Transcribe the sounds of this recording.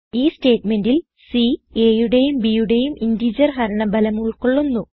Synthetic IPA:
iːste̞ːʈme̞ndil | sieːjuɽejumbijuɽe̞jumindiːd͡ʑɐrɦɐɾɐɳɐbɐlɐmuɭkoɭːunːu

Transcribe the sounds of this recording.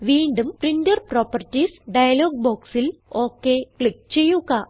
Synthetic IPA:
ʋiːɳɖumpriɳdɐrproːpɐrtːisɖɐjɐloːɡ̚boːksilo̞ːkːekɭik̚t͡ɕejːuɣɐ

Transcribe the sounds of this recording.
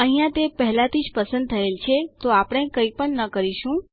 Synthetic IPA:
əɦĩjãt̪epəɦlat̪ʰid͡ʒpəsə̃nd̪̚t̪ʰəelt͡ʃʰet̪oapəɳ̃ekəjpəɳnəkəɾiʃũ

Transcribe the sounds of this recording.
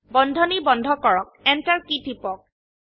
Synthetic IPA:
bɔndʱɔnibɔndʱɔkɔɹɔk̚ɛntaɹkitipɔk̚

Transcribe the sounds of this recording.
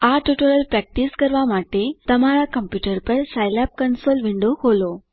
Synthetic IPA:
aʈuʈoləlpɾɛːk̚ʈiskɐɾʋamaːʈet̪ɐm̤aɾakəmpjuːʈəɾpɐɾsajlap̚kɐnsoːlʋɪɳɖohoːlo

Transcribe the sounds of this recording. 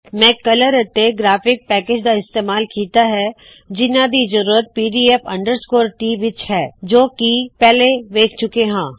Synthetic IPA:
mɛ̃ːkɐləɾət̪ːeɡɾaːfɪk̚pɛːkeːd͡ʒd̪aɪst̪eːmaːlkiːt̪aɦɛ | d͡ʒɪnãd̪izd͡ʒəɾuːɾət̪̚piːɖiːepɐ̰̃ɳɖəɾskoːɾʈiʋɪt͡ʃɦɛːd͡ʒoːkipɛːleʋeːkʰt͡ʃʊkeɦãː

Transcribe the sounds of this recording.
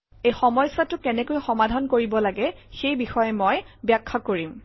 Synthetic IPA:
ejxɔmɔjsatʊkɛnɛkojxɔmadʱankoɹibɔlaɡɛxejbixɔjɛmɔjbjakʰːakoɹim

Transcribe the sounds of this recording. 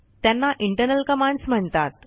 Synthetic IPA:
t̪janːaʔiɳʈəɾnəlkəmãɳɖsm̤əɳt̪at̪

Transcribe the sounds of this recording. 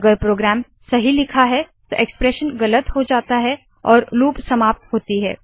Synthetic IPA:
ɡəɾpɾoːɡɾɛːm | sɐɦilɪkʰaɦɛt̪oʔekspɾɛːʃənɡɐlət̪ɦod͡ʒaːt̪aɦɛ | ɔːɾluːbʱsɐmaːp̚t̪ɦoːt̪iɦɛ̰ː

